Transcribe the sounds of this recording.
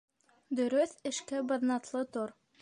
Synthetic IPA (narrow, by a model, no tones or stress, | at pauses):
d̪ɵ̆ɾɵθɘ̆ʃkæbɤ̆ðnɑt̪lˠɤt̪oɾ